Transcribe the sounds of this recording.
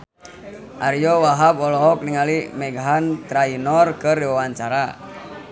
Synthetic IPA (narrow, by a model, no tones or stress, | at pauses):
ʔaɾijɔwaɦabɔlɔɦɔk̚niŋalimɛɡaɦant̪ɾainɔrkəriwawaɲt͡ʃaɾa